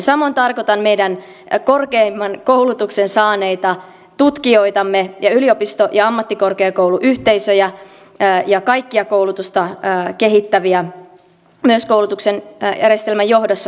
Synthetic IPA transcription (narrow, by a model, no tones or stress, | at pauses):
sɑmoint̪ɑrkot̪ɑnmeijdæn | korkeimːɑnkoulut̪uksensɑːneit̪ɑ | t̪ut̪kioit̪ɑmːejɑyliopist̪ojɑɑmːɑt̪ːikorkeːkouluʔyht̪eisøjæː | jɑkɑjkːiɑkoulut̪ust̪ɑːkeɦit̪ːæʋiæ | myøskowlut̪uksenjæ̰rest̪elmæjjohdosːɑ